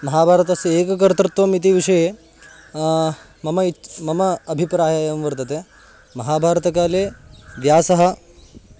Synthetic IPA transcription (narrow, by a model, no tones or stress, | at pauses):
mɐɦaːbʱaːɾɐt̪ɐsɐeːkɐkɐɾt̪ɾɐt̪ʋomit̪̬iʋiʂɐje | mɐmɐimɐmɐɐbʱipɾaːjɐjɐmʋɐɾt̪ɐt̪eː | mɐɦaːbʱaːɾt̪ɐkaːleːʋjaːsɐɦɐ